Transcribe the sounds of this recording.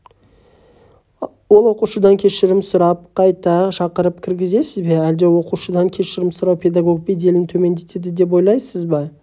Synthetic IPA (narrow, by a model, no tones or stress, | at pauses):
wo̞lˠwo̞quʃəd̪ɑŋkʲʰe̞ʃɪɾɪmsʊɾɑp̚qʰɑjt̪ɑʃɑqəɾəp̚kʲʰɪɾɡʲɪze̞sɪzbe̞æld̪ewo̞quʃəd̪ɑŋkʲʰe̞ʃɪɾɪmsʊɾɑwpʲʰe̞d̪ɑɡo̞k̚pʲed̪e̞lɪnt̪ʰɵme̞nd̪e̞t̪ed̪ɪd̪e̞p̬wo̞jlˠɑjsəzbɑ